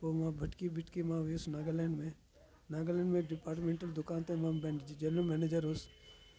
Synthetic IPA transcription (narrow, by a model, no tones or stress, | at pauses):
poːmãbʱɐʈkibɪʈkimãʋusnaːɡəlɛ̃ɳɖmẽ | naːɡəlɛ̃ːɳɖmẽɖɪpaːɾʈmẽɳʈəld̪ʊkaːnt̪ẽmãbẽɳʈid͡ʒelumɛːneːd͡ʒəɾɦos